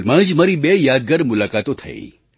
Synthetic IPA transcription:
lmə̃d͡ʒməɾibejad̪̚ɡəɾmʊlakat̪ot̪ʰə̰ḭ

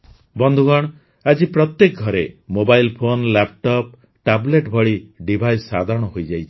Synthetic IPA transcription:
bɔnd̪ʱuɡɔɽ̃ | ad͡ʒipɾɔt̪jek̚ɡʱɔɾemobajlpʰonlap̚ʈɔp̚ | ʈableʈbʱɔɭiɖibʱajsːad̪ʱaɾɔɽ̃ɔɦojd͡ʒajt͡ʃʰi̥

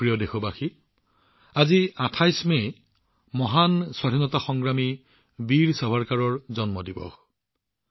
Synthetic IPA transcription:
ɹijɔdexɔbaxi | aziatʰajsme | mɔɦanswaɾʱinɔtaxɔŋɡɹami | biɹsɔbʱaɹkaɹɔɹzɔnmɔdibɔ̰x

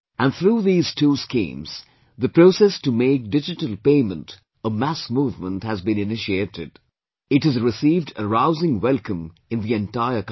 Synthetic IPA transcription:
æ̃nθɾuːðiːz̥tʰuːskḭ̃ːmz̥ | ðɨpɾosɛstumeɪk̚dɪd͡ʒɨʈəlˠpeɪmə̃nt | əmæsmuːvmə̃nthæzbɨ̃nɪnɪʃieɾɪd | ɪthɨzɹɪsiːvdəɹaʊzɪ̃ŋwɛlˠkə̃m | ɨ̃nðiɛ̃ntaɪək

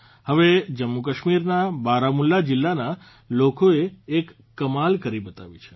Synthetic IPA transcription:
həʋed͡ʒəmːukəʃmiɾnabaɾamulːad͡ʒɪlːana | lokoeːkː | əmalkəɾibət̪a̰ʋḭt͡ʃʰe̥

